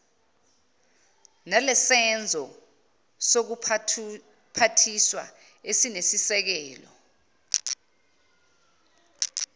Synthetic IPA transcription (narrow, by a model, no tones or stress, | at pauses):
nɛlɛsɛnd͡zʱɔ | sok̬u | pʰatʰiswa̰ | esinesisɛk̬ɛːlɔ̰